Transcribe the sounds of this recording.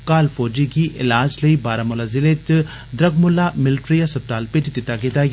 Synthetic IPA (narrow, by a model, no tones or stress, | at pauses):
kaːlfoːd͡ʒikiʔɪ̰laːd͡ʒləibaːɾamʊlaːzɪlet̪ | d̪ɾɐɡmʊlːamɪlʈɾijasɐb̚t̪aːlpeʈd̪ɪt̪aɡed̪aːj